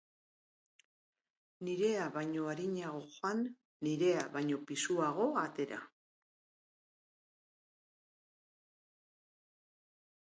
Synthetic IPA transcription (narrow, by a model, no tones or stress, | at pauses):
niɾe̞aβajɲo̞aɾiɲaɣo̞xoanː | iɾe̞aβajɲo̞pisuaɣ̞o̞at̪e̞ɾa̰